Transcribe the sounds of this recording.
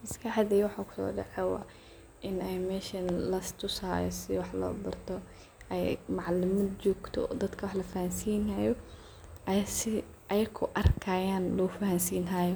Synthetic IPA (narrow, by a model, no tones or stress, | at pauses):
mɐskʰaħd̪iːwɑħakʰʊ̥sɔ̰ːɖɛ̰ʕɛwɑ̰ː | ʔɪnɛjmɛːʃɐnlɐst̪ʰʊsa̰ːjɔsɪwɑħlɔ̰ːbɐ̰rt̪ʰɔ | ɛjmɑʕlɪmɐd̪t͡ʃɔːɡt̪ʰɔ̰d̪ɐd̪kʰɐwɑħlɐfɐhɐnsiːnɐjɔ | ʔɐjsɪ | ʔɐjɐkʰʊʔɐrkʰaːjaːnlɔfɐhɐnsiːnɦaːjɔ